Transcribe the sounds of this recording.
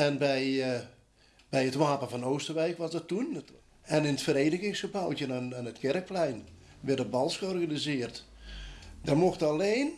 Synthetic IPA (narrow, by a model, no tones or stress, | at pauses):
ɛnbɛj | b̥ɛjətʋaːpəfɔnoːstərʋɛjkʋɔsdɔtːun | ɛnɪnətfəreːnəɣɪŋsxəbawtənanətkɛrək̚plɛjn | ʋɛrdəbɑlˠsxəɔrɣanizɪərt | dɔrmoxtaleːn